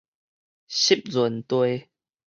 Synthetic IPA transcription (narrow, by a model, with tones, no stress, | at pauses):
ɕi˦p̚zu˨˩˦nt̪we˧